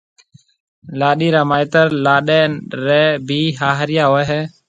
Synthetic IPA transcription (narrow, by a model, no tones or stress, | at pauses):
laːɗiːɾaːmaːɪt̪əɾlaːɗeːɾɛːbʱiːɦaːɦɾɪjaːɦoːɛɦɛː